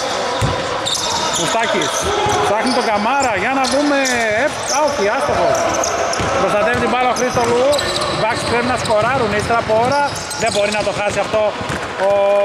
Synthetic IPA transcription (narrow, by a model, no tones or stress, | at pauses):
pust̪ɐcis | sɐxnit̪oɡɐmɐɾɐʝɐnɐðume | ep | ɐokiɐst̪oɣo | pɾost̪ɐt̪eft̪ibɐloxɾist̪oluivɐksi̥peɾnɐsko̞ɾɐɾunist̪ɾɐpoɾɐ | ðebo̞ɾinɐt̪o̞xɐsiɐft̪o̞ː